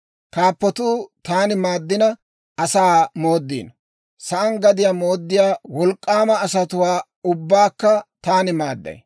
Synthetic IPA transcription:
kaːpːɔt̪uːt̪aːnɪmaːd̪ːɪnɐ | ɐsaːmo̞ːd̪ːḭːn | sɐʔɐnɡɐd̪ɪjamo̞ːd̪ːɪjaːwɔlkʼːaːmɐːsɐt̪ʊwaː | ʊbːaːkːɐt̪aːnɪmaːd̪ːɐ̰j

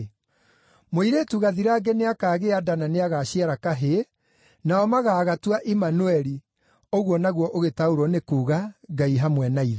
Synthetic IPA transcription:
moiɾetuɣaðiɾaːɡeneakaːɣeadananeaɣaɕiaɾakaɦe | naɔmaɣaːɣatwaʔimanuɛɾi | oɣwɔnaɣwɔʔoɣetauɾɔnekuːɣaɡaiɦamwɛnaiðe

